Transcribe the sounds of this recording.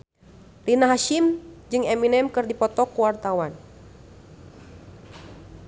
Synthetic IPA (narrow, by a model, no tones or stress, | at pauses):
rinaɦaʃimd͡ʒɨŋɛminɛmkɨrdipɔt̪ɔkuwart̪awan